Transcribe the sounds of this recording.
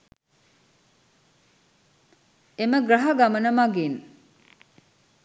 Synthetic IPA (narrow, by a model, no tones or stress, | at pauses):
eməɡɾaɦɐɡamɐnɐmaɡin